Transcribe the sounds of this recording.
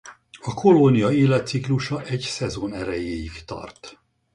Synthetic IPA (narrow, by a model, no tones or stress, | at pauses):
ɒkʰo̞lonijɒeːlɛt̪sikluʃɒʔɛɟsɛzoːnɛɾɛjeːjikt̪ɒ̰rt̪